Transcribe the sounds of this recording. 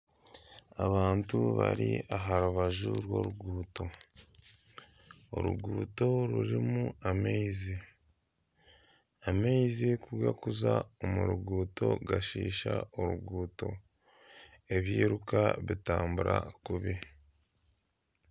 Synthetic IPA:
aβaːntuβa̰ɾiaɦaɾuβaʒuɾwo̞̰ɾuɡuːto̞ | oɾuɡuːto̞ɾuɾimuameizi | ameizikuɾwakuzaomuɾuɡuːto̞ɡaʃiːʃaoɾuɡuːto̞ | e̞βjiːɾukaβitaːmbuɾakuβi

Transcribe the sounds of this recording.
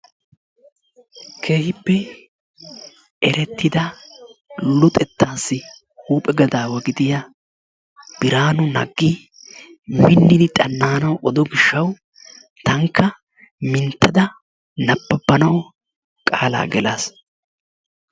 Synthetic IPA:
kʰe̞ːhɪpːɛ | ɛɾɛt̪ːɪd̪ɐ | lʊt̪ʼɛt̪ːaːsːɪ | huːpʼɛɡɐd̪aːwɐɡɪd̪ɪjɐ | b̥ɪɾaːnʊnɐɡːi | mɪnːɪd̪ɪt̪ʼɐnːaːnɐwʔɔd̪ɔɡɪʃːɐw | t̪ɐŋkʰːɐ | mɪnt̪ːɐd̪ɐ | nɐbːɐbːɐnɐw | kʼa̰ːla̰ːɡɛlaːs

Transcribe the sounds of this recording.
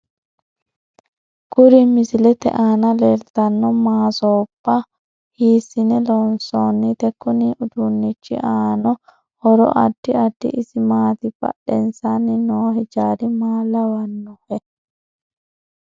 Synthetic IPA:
ɡʊɾɪmɪsɪlɛt̪ɛ̰ʔaːnɐlelt̪ɐnːɔmaːsoːb̥ːɐ | hiːsːɪnɛlɔnsoːnːit̪ɛkːɔniʔʊd̪ʊnːɪt͡ʃːɪ̰ʔaːnɔ | hɔɾɔ̰ʔɐ̰d̪ːɪɐd̪ːɪ̰ʔɪsɪmaːt̪ɪbɐ̰ɗːɛnsanɪnoːhɛd͡ʒaːɾɪmaːlɐwɐnːʊhɛ

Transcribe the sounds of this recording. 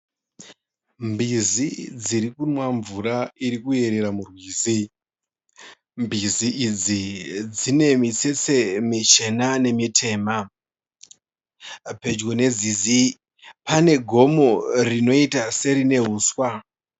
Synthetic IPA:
mbizid͡ziɾikunwaɱvuɾaiɾikue̞ɾe̞ɾamurwiːzi | mbiziʔid͡zid͡zine̞mit͡set͡se̞mit͡ʃe̞nane̞mitʰe̞ːma | pe̞d͡ʒɡone̞d͡zizi | pane̞ɡʱo̞morino̞itase̞ɾine̞ɦuːswa

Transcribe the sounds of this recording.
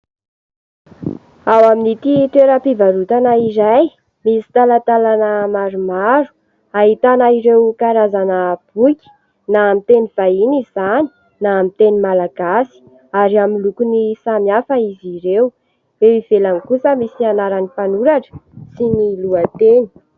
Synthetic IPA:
awaminit̪it̪eɾəpivaɾut̪anaiɾaj | misi̥t̪alat̪alanəmaɾumaɾu̥ | aɦit̪anaiɾewkaɾazanəb̥ukʲi̥ | naːmit̪eniv̥ainizizani̥ | namit̪enimalaɡasi̥ | aɾiamilukunisamjafaiziɾew | eiv̥elankusəmisianaɾanipanuɾaʈ͡ʂə̥siniluat̪eni̥

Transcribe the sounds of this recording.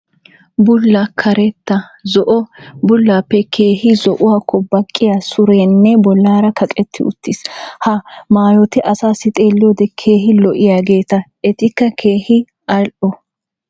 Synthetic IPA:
bʊlːakʰɐɾɛt̪ːɐzɔʔɔbʊlːaːpːɛkʰe̞ːhɪzɔʔʊwaːkʰːɔbɐkʼːɪjasʊɾeːnːɛbɔlːaːɾɐkʰɐkʼɛt̪ːɪ̰ʊ̰t̪ʰːɪshɐmaːjɔt̪ɪʔɐsaːsɪt̪ʼe̞ːlːɪjɔd̪ɛkʰe̞ːɦɪlɔʔɪjaːɡe̞ːt̪ɐʔɛt̪ɪkːɐkʰeːhɪ | ʔɐlʔɔ

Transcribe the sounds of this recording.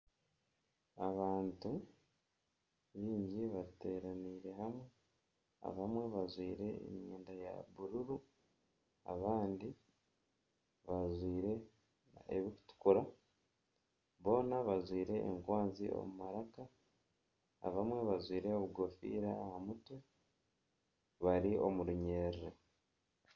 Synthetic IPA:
aβaːntu | βiːɲɟiβate̞ːɾaniːɾe̞ɦamwe | a̰βamwe̞βazwiːɾe̞ḛɲɲḛːndaja̰βuɾuɾu | a̰βaːndi | βazwiːɾe̞ | ḛβiku̥tu̥kuɾa | βo̞ːnaβazwiːɾe̞ʔːŋkwaːnzio̞̰mumaɾaka | βamwe̞βazwiːɾe̞oβuɡofḭːɾaːhamutwe | βaɾio̞muɾuɲeːɾɾe

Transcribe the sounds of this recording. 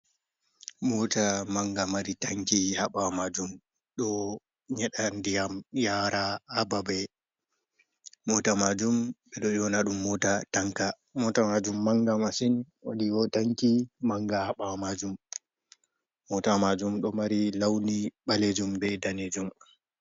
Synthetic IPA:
mɔtamaŋɡamaɾitaŋkihaɓamad͡ʒum | ɗɔ | ɲɛɗandijamjaɾaːbabɛ | mɔtamad͡ʒumɓɛɗɔjɔnaɗumːɔtataŋka | mɔtamad͡ʒumːaŋɡamasinwo̰ɗiɡɔtaŋkimaŋɡahaɓamad͡ʒum | ɔtamad͡ʒumɗɔmaɾilawniɓaled͡ʒumbɛdaned͡ʒum

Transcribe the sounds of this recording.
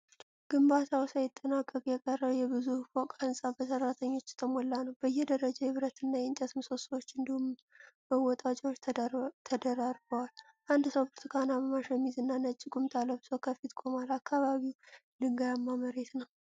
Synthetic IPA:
ɡ̥ɨmbat̪ʰawsajɪt̪ʼːənakʼːəkʼjɛkʼərːəβjɛbɨzufokʼaɨnsʼabəsərːat̪ʰəɲːo̞t͡ʃːt̪ʰəmolːanəwbəjːɛd̪əɾəd͡ʒajɛβɨɾət̪ɨnːajɛnt͡ʃ̪ʼət̪ɨmso̞səwot͡ʃːɨnd̪ihumməwɔt̪ʼat͡ʃʼɛwot͡ʃːʰt̪ʰəd̪əɾaɾbəwal | ʔand̪səwbɨɾt̪ʰɨ̥kʰanabəmaʃəmizɨnːanət͡ʃʼːɪkʼumt̪ʰalːəβzokʰəfit̪kʼo̞malakʰːaβaβiwlɨŋɡajamːaməɾe̞t̪nəw

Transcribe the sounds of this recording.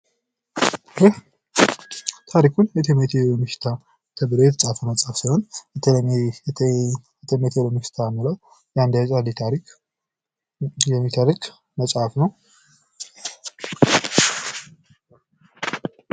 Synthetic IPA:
j | t̪ʰaɾikʰunjɛt̪ʰemet̪ʰelomɨʃt̪ʰa | t̪ʰəbɨɾojɛt̪ʰəsʼafəməsʼafsəhon | jɛt̪ʰemet̪ʰelomɨʃt̪ʰamɨləw | jand̪at͡ʃʼalit̪ʰaɾik | jɛmːit̪ʰaɾikʼ | məsʼafnəw

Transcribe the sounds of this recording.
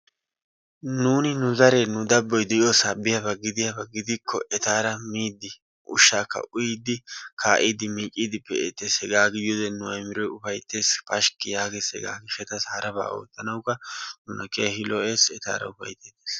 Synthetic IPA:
nuːnɪnʊzɐɾeːnʊd̪ɐbːɔjd̪ɛjoːsabɪjɐbɐɡɪd̪ɪjabɐɡɪd̪ɪkʰːɔ̰ʔɛt̪aːɾɐmiːd̪ːɪ | ʔʊʃːaːkːɐ̰ʔʊjɪd̪ɪkʰaːʔiːd̪ɪmiːt͡ʃʼːiːd̪ɪpːɛet̪ːeshɛɡaːɡɪjod̪ɛnːʊɐjmɪɾɔjʊfɐjt̪ːe̞ːspɐʃkːɪjaːɡeshɛɡa̰ːɡɪxɛt̪ɐshɐɾɐba̰ːo̰ːt̪ːɐnɐwkːɐnʊnɐkeɐhɪlɔʔeːsɛt̪a̰ːɾɐ̰ʊfɐ̰jt̪ːeːt̪eːs

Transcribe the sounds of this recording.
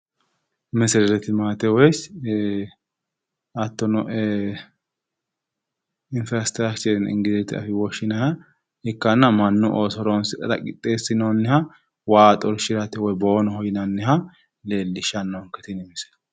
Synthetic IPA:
mɛsɪɾɛlɛt̪ɪmaːt̪ɛwɛs | ɐt̪ːɔnɔ | ɪnfɾɐst̪ɾakt͡ʃɐɾɪnɪ̰ŋɡɪdɛt̪ɪɐ̰fɪwɔʃːɪnɐhɐ | ɪkːɐnːɐmɐnːɔʔosɔɾonsɪɾɐ̰kʼɪt̪ʼːeːsːɪnonːɪhɐ | waːt̪ʼɔɾʃɪɾɐt̪ɛwɔjboːnɔhɔjɪnɐnːɪhɐ | le̞ːlːɪʃɐnːɔŋkɛt̪ɪnɪmɪsɛ̥

